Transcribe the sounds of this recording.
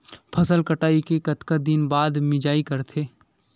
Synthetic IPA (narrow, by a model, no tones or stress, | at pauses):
pʰɐsəlkəʈaːikekɐt̪kad̪ɪnbaːd̪mɪd͡ʒaːikɐɾt̪ʰeː